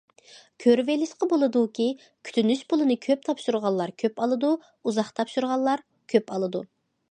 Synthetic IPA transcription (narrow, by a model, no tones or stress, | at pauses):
kʲʰøɾvelɪʃqəbolˠɨd̪ukʲʰi | kʲʰy̥t̪ʰynyʃpʊlˠɨnɨkʲʰøp̚t̪ʰɑpʃuɾʁɑlˠːɑɾkʲʰøpɑlˠɨd̪u | uzɑχt̪ʰɑpʃuɾʁɑlːˠɑɾ | kʲʰøpɑlˠɨd̪ṵ